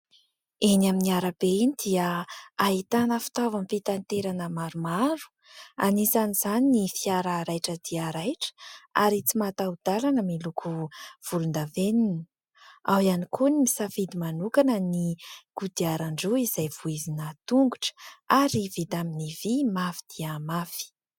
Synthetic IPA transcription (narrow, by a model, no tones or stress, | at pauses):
enaminiaɾabeinid̪̥iəaɦit̪anəfi̥t̪avampit̪ant̪eɾanəmaɾumaɾu̥ | a̰nisanizaninifiaɾaɾajʈ͡ʂəd̪iaɾajʈ͡ʂə̥a̰ɾit͡simat̪aud̪̥alanəmilukʰuv̥ulund̪aveninə | awanikunimisafid̪imanukanəniɡ̥ud̪iaɾaɳɖ͡ʐuizajvuizinət̪uŋɡuʈ͡ʂə̥aɾivid̪aminivimafi̥d̪̥iamafi̥